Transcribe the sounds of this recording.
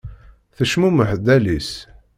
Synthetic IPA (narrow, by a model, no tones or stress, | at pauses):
θəʃmuməħd̪ælis